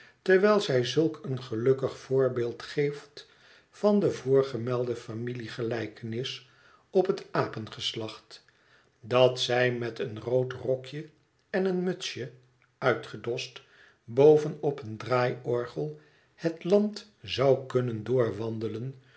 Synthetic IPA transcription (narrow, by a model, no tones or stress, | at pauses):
tɛɹʋɛjlˠzɛjzɵlˠkənχəlɵkəχfʊːɹbɪːlˠtχejft | fɑndəvʊːɹχəmɛlˠdəfamiliχəlɛjkənɪs | ɔpɦətaːpənχəslɑχt | dɑtsɛjmɛtənrowtrɔkjə | ɛnənmɵtsjə | œɥtχədɔst | bowvənɔpəndraːjɔɹχəlˠ | hətlɑnt | zɑwkɵnəndʊːɹʋɑndələn